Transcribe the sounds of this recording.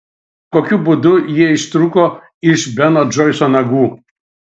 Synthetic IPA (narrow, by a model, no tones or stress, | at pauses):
koːkʲʊbʊd̪ʊjiɛɪʃt̪ɾukoː | ɪʃbʲɛnoːd͡ʒɔɪsoːnɐɡuː